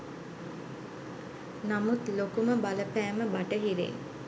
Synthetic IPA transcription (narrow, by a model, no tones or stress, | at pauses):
namut̪lokuməbaləpæːməbaʈəɦiɾḛː